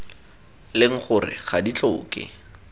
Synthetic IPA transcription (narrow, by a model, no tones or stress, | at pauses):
lɪŋ̩χʊrɪ̰χadit͡ɬoʊːkʼɪ̰